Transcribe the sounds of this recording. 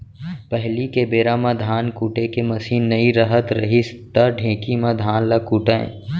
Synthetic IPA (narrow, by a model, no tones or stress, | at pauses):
pɛɦlikebeːɾaːmãd̪ʱaːnkuːʈekemɐsiːɐiɾəɦət̪ɾɐɦist̪əɖʱẽːkimãd̪ʱaːnlakuːʈãḛ̃ː